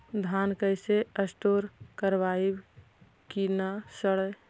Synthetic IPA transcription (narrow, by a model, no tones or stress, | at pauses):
d̪ʱaːnkəɪseəsʈoːɾkəɾʋaib | kinasəɽəj